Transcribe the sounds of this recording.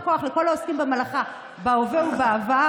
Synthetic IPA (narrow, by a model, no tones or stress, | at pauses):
ko̞aχleko̞laoskimbemalaχa | baoveubeava